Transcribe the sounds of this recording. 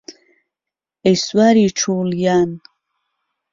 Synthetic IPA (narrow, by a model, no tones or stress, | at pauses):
eswaɾiʈ͡ʂʰuːljan